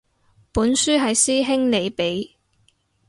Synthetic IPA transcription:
puː˨˥nsyː˥ɦɐ˨jsiː˥ɦɪ˥ŋle˨˧jpe˨˥j

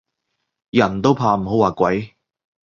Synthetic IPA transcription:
jɐ˨˩nt̪o˥wpʰaː˧m̩˨˩ɦo˨˥waː˨kʷɐ˨˥j

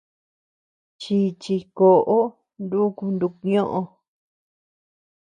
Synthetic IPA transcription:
t͡ʃi˧t͡ʃi˧ko˨ʔo˦ | nd̪u˦ku˧nd̪u˧ku˧ɲõ˦ʔõ˧

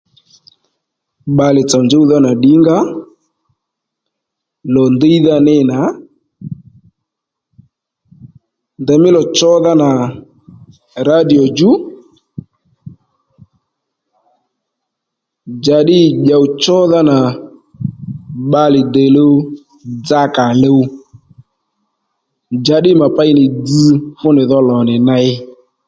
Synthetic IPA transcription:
ɓa˨lɪ˨t͡sa˨nd͡ʒe˦u˦ða˦na˨ɗi˨˦ŋɡa˦ | lɔ˨nde˦i˦ða˦nɛ˦na˨˦ | ndɛ˨mɪ˦lɔ˨t͡ʃɔ˦ða˦na˨ | ɾa˦di˨ɔ˨d͡ʒu˦ | d͡ʒa˨ɗɪ˦˨ɓa˨u˦t͡ʃɔ˦ða˦na˨ | ɓa˦lɪ˨dɛ˨lo˦w | d͡za˦ka˨lo˦ | d͡ʒa˨˦ɗɪ˦˨ma˨pa˦ɪ˦nɪ˨d͡zi˦fʊ˦nɪ˨ðɔ˦lɔ˨nɪ˨na˦ɪ˦

